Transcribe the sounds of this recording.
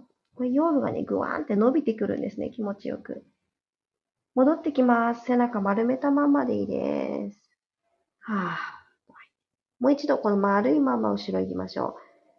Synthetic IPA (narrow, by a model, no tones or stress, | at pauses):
koejo̞ːmɯ̟ɡa̰ne̞̰ɡɯ̟̰ã̰ːnt̪e̞no̞bʲit̪e̞kɯ̟ɾɯ̟̃nd̪e̞sɨne̞̰kʲimo̞t͡ɕijo̞̰kɯ̟̰ | mo̞d̪o̞t̪ːe̞kʲimasɨ̥se̞nakamaɾɯ̟me̞t̪amamad̪e̞ḭd̪ḛsɨ̥ | aː | mo̞it͡ɕid̪o̞ko̞nomaɾɯ̟imamːa̰ɯ̟ɕiɾo̞ikʲimaɕo̞̰ː